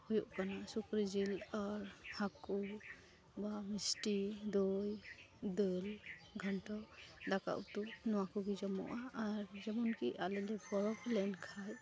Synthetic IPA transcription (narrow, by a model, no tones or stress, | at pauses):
hujɔʔkanasukɾizilaɹhaku | bamisʈid̪uj | d̪ɯlɡʱɔnʈɔdaka̰ʔt̪unɔwakʰɔɡizɔmɔ̰ʔaːɹzɛmɔnkiʔalɛlɛbɔɹɔplɛnkʰaj